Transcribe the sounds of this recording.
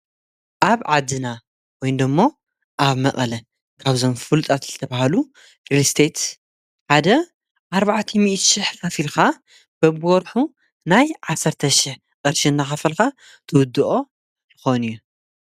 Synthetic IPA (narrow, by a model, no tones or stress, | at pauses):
ʔaβʕad̪ːɨna | wɔjnd̪ɨmːo | ʔaβmɐʔʼɐlɐ | kʰaβzo̞mfɨlt̪ʼat̪zɨt̪ʰɐβahalu | ɾilst̪ʰe̞t̪ | ħad̪ɐ | ʔaɾβaʕt̪ʰimiʔt̪ʃɪħkɐfilxa | b̥ɐβwɔɾħu | najʕasːɐɾt̪ʰɐʃɪħ | ʔʼɨɾʃinːaxɐfɐlxa | t̪ʰɨwʊd̪ːɨʔo̞ | jɨxoniju